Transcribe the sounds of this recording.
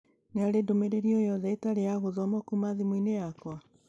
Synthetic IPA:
neaɾedomeɾeɾiɔjɔðɛitaɾejaɣoðɔmɔkumaðimwinejakwa

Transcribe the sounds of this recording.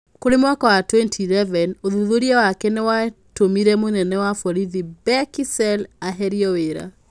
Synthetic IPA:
koɾemwakawatwɛntʰilɛvɛnoðuðoɾiɛwakɛnɛwatomiɾɛmonɛnɛwafɔɾiðibɛkisɛlaɦɛɾiɔweɾa̰

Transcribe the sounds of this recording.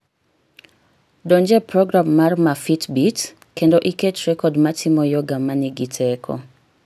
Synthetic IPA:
dɔnd͡ʒɛpɾɔɡɾamːarmafitbit | kendoʔiket͡ʃrɛkɔdmatʰɪmɔjoɡamaniɡitʰɛkʰɔ̰

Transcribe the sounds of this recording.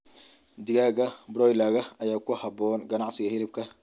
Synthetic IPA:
d̪ɪɣaːɣɐbɾɔjlaːɣɐɐjaːkʰʊhɑbɔːnɡɐnɑʕsɪɣɐhɪɾɪb̚kʰɐ

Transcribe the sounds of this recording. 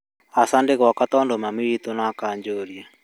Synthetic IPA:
asandekwakat̪ɔndomamiɾit̪onakaɲd͡ʒoɾja

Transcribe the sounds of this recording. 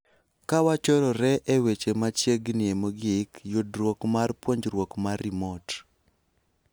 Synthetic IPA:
kawat͡ʃɔɾɔɾɛʔewet͡ʃemat͡ʃjeɡnɪemoɡɪkjudrwɔkmarpwoɲd͡ʒɾwokmarimɔt

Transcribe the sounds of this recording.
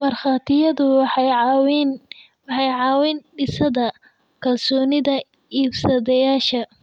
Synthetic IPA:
mɐrχɑːt̪ʰɪjɐðʊwwn | wɑħɑjʕɑːwɪnɖɪsɐðɐ | kʰɐlsɔːnɪðɐ | iːbsɐðɛjaːʃɐ

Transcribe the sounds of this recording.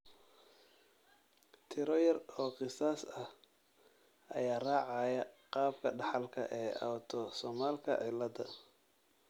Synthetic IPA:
t̪ʰɪɾɔjɐrɔːqɪsaːsɐh | ɐ̰jaːraːʕɑjɐqɑːb̚kʰɐɖɑħɑlkʰɐ̰ʔɛːʔɐwt̪ʰɔsɔmaːlkʰɐ̰ʕɪlːɐd̪ɐ

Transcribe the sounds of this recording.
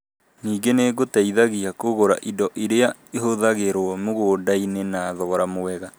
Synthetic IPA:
niːɡeneɣotaiðaɣiakoɣoɾaʔidɔʔiɾeaeɦoðaɣeɾwɔmoɣoːdainenaːðɔɔɾamoɛɣa

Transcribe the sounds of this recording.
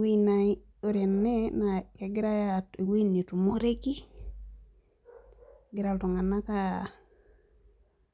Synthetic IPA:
wina | oɾenːenakeɡiɾajatiwinitumoɾeki | ɡiɾaltuŋanaka

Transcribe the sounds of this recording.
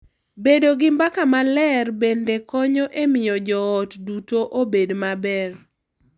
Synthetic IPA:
bedoɡɪmbakamalɛrbendekɔɲɔʔemɪjɔd͡ʒɔːtdutoʔobedmabɛr

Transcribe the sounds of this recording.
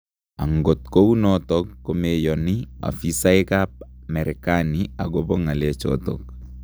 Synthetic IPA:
aŋɡot̪̚kownɔtɔkːomejɔnia̰fisajkap̚mɛɾɪkaniaɡobɔŋalɛt͡ʃɔ̰t̪ɔ̰k̚

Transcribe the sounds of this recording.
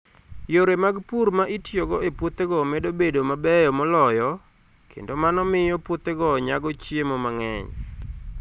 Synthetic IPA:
joɾemaɡpuɾmaʔitjoɡɔepwut̪eɡɔmedobedomabɛjɔmɔlɔjɔ | kʰḛndomanɔmɪjɔpwʊt̪eɡɔɲaɡɔt͡ʃjemɔmaŋɛ̰ɲ

